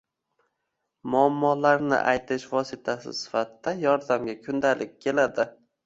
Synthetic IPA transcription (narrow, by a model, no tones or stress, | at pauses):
mʊamːɒlaɾnɪ̰ʔajt̪ʰɪʃvɒsɪt̪ʰasɪ̰sɪ̥fat̪d̪̥ajɒɾd̪amɡʲakʲʰʊnd̪alʔɪk̚ʲkʲʰːe̞lad̪ɪ